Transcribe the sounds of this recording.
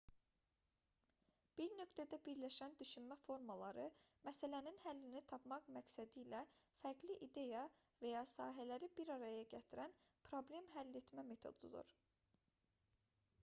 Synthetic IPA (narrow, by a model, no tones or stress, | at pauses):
b̥iɾnø̞kt̪ʰæd̪æbiɾlæʃænd̪yʃynmæfo̞ɾmɑlˠɑɾɯmæsælæninhælːinit̪ʰɑpmɑχmæksæd̪ilæfæɾɡliʔid̪e̞jɑ | væjɑsɑːɦælæɾibiɾɑɾɑjɑɟæt̪ʰiɾænpʰɾo̞blʲe̞mɦælːet̪mæme̞t̪ʰo̞̰d̪ulˠɯ̰ɾ̥